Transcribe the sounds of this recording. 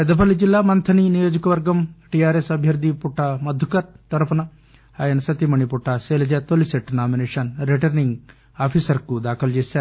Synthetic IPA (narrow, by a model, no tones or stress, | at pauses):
pɐd̪ɐpɐlid͡ʒilːaːmɐnt̪ʰɐninijoːd͡ʒɐkɐʋɐɾɡɐmʈiaːɾesɐbʱjɐɾd̪ʱipuʈʰːamɐd̪ʱukɐɾt̪ɐɾɐpʰɐnɐ | aːjɐnɐsɐt̪imɐɳipuʈʰːaseːlɐd͡ʒɐt̪oliseʈːnaːmineːʂɐnɾeʈɐɾniŋɡ | aːpʰisɐɾkud̪aːkʰɐlt͡ʃeːsaːɾ